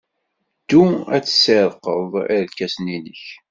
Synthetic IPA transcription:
d̪̥ːuæt͡sːsəɾˤqəðˤiɾlkːæsninəç

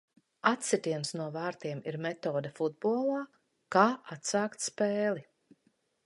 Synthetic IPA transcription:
at̪sit̪iɛnsnuɔvaːɾt̪iɛmiɾmɛt̪ɔːd̪afud̪̚buɔlˠaː | kaːʔat̪saːkt̪spɛːlˠi

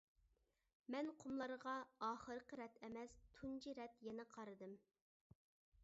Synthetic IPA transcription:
mɛnqʰomlˠɑɾʁɑɑːχəɾqəɾɛt̪ʰɛmɛst̪ʰunt͡ʃiɾɛt̪jɛnɪqʰɑɾɨd̪ɨm

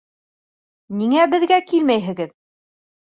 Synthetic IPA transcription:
niŋæbɘ̆ðɡækilmæjɦɘ̆ɡɘð

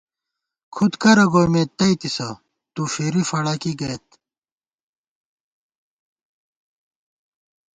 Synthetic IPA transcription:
kʰud̪kɐɾɐɡoːjmeːt̪ɐit̪isɐ | t̪ufeːɾifɐɽaːkiɡɐt̪

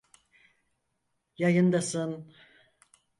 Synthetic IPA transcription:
jajɯnd̪asɯn

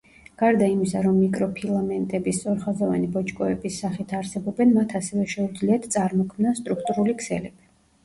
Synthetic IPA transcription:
ɡ̥aɾd̪aimisaɾɔmːikʼɾɔpʰilˠamɛnt̪ʼɛbist̪sʼɔɾχazava̰nibɔt͡ʃʼkʼɔɛbisːaχit̪ʰaɾsɛbɔbɛnmat̪ʰasɛvɛʃɛud̪zliat̪ʰsʼaɾmɔkʰmnast̪ʼɾukʰt̪ʼuɾulikʰsɛ̰lɛbi

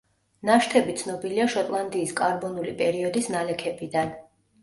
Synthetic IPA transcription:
naʃt̪ʰɛbit̪sʰnɔbiliaʃɔt̪ʼlˠand̪iːskʼaɾbɔnulipʼɛɾiɔd̪isnalɛkʰɛbid̪an

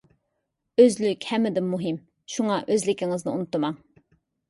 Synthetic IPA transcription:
øzlykʲhɛmːɪd̪ɪmmːuɦɨm | ʃuŋɑʔøzlɪkʲiŋɨznɨṵnut̪ːɨmɑŋ

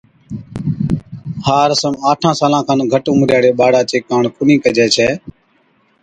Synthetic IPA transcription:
haːɾəsəmaːʈʰãːsaːlãːkʰãːnɡʱəʈʊːmɾjaːɽeːɓaːɽaːt͡ʃeːkaːɳkʊnĩːkəd͡ʒɛːt͡ʃʰɛː

